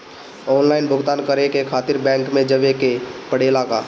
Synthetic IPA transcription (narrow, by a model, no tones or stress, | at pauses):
ɔːnlaːɪnbʱʊɡt̪aːnkəɾekekʰaːt̪ɪɾbɛ̃ːŋkmẽd͡ʒəʋekepəɽ̤elaka̰